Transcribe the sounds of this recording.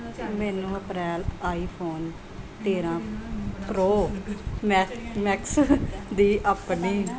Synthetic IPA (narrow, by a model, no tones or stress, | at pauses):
mɛːnũːəpɾɛːlaːiːpʰoːn | t̪eːɾãːpɾoːmɛmɛksd̪iːʔəːpniː